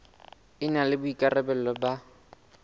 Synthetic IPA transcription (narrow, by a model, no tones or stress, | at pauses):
ɪnalɪbʊikʼarɛbɛl̩lɔba